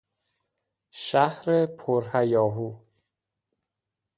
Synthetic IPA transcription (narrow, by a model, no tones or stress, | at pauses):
ʃæhɾepʰoɾhæjɒːɦuː